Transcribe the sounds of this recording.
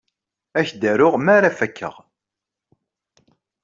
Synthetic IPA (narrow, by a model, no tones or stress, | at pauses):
æçd̪æɾʊʁmaɾæfækʰːə̰ʁ